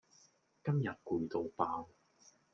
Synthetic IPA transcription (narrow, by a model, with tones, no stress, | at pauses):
kɐ˥mjɐ˨t̚kuː˧jt̪o˨˧wpaː˧w